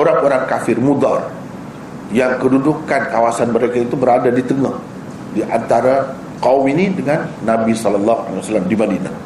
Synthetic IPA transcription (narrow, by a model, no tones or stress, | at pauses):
oɾaŋoɾaŋkafɪrmud̪ar | jaŋkədudukankawasanməɾekait̪ubəɾadadit̪əŋah | diʔant̪aɾa | kauminidəŋanːabisɔlɔlːaɦua̰lewasalamdibadina̰